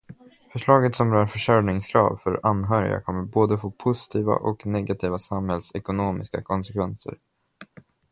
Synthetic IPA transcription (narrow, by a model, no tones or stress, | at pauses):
fœʂɭɑːɡət̪sɔmɾœːɾfœʂœɾnɪŋskʰɾɑ̰ːvfœɾanːɦœːɾɪ̰ɡa̰kʰɔmːəɾboːd̪əfopʰʊsɪ̥t̪ʰiːva̰ʔɔknɛɡat̪ʰiːvasamhɛlsɛkʊnoːmɪska̰kʰɔnsɛkvɛnsə̰ɾ